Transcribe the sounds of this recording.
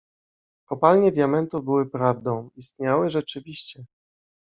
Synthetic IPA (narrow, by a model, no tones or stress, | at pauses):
kɔpalɲɛd̪ʲjamɛnt̪uvbɘwɘpɾavd̪ɔ̃w̃ist̪ɲawɘʐɛt͡ʂɘvʲiɕt͡ɕɛ